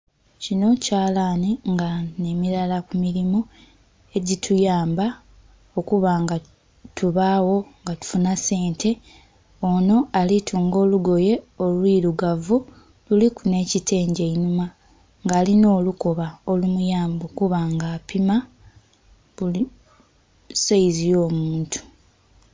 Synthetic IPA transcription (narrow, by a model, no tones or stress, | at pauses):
cino̞caːlaːniŋɡane̞miɾalakumiɾimu | e̞ɟitʰujaːmba | o̞kuβaŋɡa | tʰuβawo̞ŋɡatu̥funase̞ːnte̞ | ono̞alitʰuːŋɡo̞ːluɡo̞je̞o̞lwiːɾuɡavu | lulikune̞ːcitʰe̞ːɲɟe̞inuma | ŋɡaːlino̞ːluko̞βao̞lumujaːmbokuβaːŋɡaːpima | βuli | saizijo̞ːmuːntʰu̥